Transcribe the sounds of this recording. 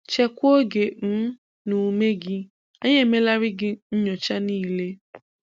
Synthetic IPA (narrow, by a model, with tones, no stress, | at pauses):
t͡ʃɛ˦kʷo˦ɡe˨m̩˦ | nu˨me˦ɡɪ˦ | a˦ɲe˦˨me˦la˦ɾɪ˦ɡɪ˦ɲ̩˦ɲɔ˨t͡ʃa˦niː˦˨le˦